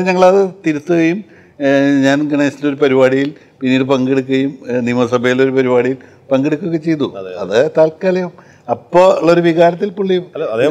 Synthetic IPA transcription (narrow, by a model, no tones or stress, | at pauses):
ɲɐŋːɐɭɐðɨt̪iɾut̪ːuɣɐjum | ɲaːnɡɐɳɐjslo̞ɾupɐɾibaːɽijil | pinːiːɽɨpɐŋɡeɽuk̬ːuɣɐjumnimɐsɐbʱɐjilo̞ɾupɐɾibaːɽijil | pɐŋɡeɽukːuɣɐt͡ɕe̞jt̪ːṵɐ̰ðɨt̪aːlkːaːlɐjɐm | ɐpːoːuɭːɐoɾuʋiɣaːɾɐt̪ːilpuɭːijum